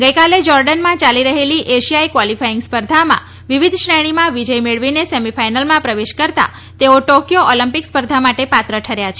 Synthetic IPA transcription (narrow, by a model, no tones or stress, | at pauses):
ɡəjkaled͡ʒɔɾɖənmãt͡ʃaliɾəɦeliʔeʃijaikʋwɔlifaiŋɡspəɾd̪ʱamã̰ | ʋiʋid̪ʱʃɳəɽ̃imãʋid͡ʒəjmeɭʋinesemifajnəlmãpɾəʋeʃkəɾt̪a̰ | t̪eoʈokjoɔləmpikspəɾd̪ʱamaʈepat̪ɾəʈʰəɾjat͡ʃʰe